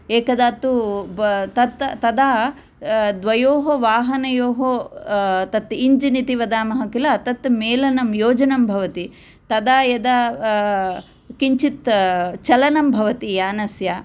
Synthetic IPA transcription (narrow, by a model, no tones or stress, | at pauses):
eːkɐd̪aːt̪u | t̪ɐt̪t̪ɐd̪aː | d̪ʋɐjoːɦoʋaːɦɐnɐjoːɦo | t̪ɐt̪iɲd͡ʒinit̪iʋɐd̪aːmɐɦɐkilɐːt̪ɐt̪meːlɐnɐmjoːd͡ʒɐnɐmbʱɐʋɐt̪i | t̪ɐd̪aːjɐd̪ɐ | kiɲt͡ʃit̪t͡ʃɐlɐnɐmbʱɐʋɐt̪ijaːnɐsjaː